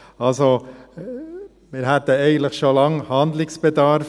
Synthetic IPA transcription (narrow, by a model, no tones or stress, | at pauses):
ɑlso | mɪːɾhɛt̪əɛɪɡən̩t̪ləxʃolɑŋhɑnd̪lɪksb̥əd̪ɑɾf